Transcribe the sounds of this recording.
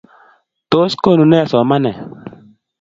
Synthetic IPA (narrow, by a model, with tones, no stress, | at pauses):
to˦sko˦˨nu˨nɛ˦˨sɔ˨ma˦nɛ˨